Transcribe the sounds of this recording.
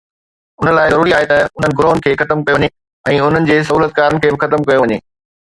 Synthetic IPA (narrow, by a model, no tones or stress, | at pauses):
ʊn̤əlaːɪzɐɾuːɾiaːɦet̪ɐʊn̤ənɪ̆ɡɾoːnɪ̆kʰeːxɐt̪əmkɐjoɲe | ɛ̃ːʊn̤ənɪ̆d͡ʑeːs̬ɐɦuːlət̪̚kaːɾənɪ̆kʰeːbɪxɐt̪əmkɐjoʋɐɲḛː